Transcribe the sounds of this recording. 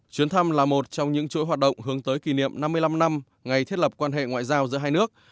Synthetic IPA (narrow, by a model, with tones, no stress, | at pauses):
t͡ɕwi˨˦ənt̪ʰa˧mlaː˨˩mo˨˩t̚t͡ɕɔ˧wŋ͡mɲɨ̰˧˥ŋt͡ɕo̰˧˥jɦwaː˨˩t̚ɗə̰˧˨ŋ͡mɦɨ˨˦əŋt̪əː˨˦jki˨˩nḭ˧˨əmna˧mːɨ˧əjla˧mna˧m | ŋa˨˩jt̪ʰi˦˥t̚lə˨˩p̚kwaː˧nɦḛ˧˨ŋwa̰ː˧˨jzaː˧wzɨ̰˧˥əɦaː˧jnɨ˦˥ək̚